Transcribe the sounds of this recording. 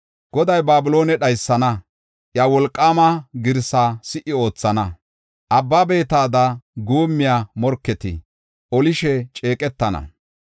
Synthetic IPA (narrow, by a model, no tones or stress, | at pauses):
ɡ̥ɔd̪ɐjbaːbʊlo̞ːnɛɗɐjsːɐnɐ | ʔjawɔlkʼːaːmɐɡɪɾsaːsɪʔɪo̞ːt͡sːɐnɐ | ʔɐbːaːbe̞ːt̪aːd̪ɐɡuːmːɪjaːmɔɾkːɛt̪ɪ̰ | ʔɔlɪʃɛt͡ʃʼe̞ːkʼɛt̪ːɐnɐ̰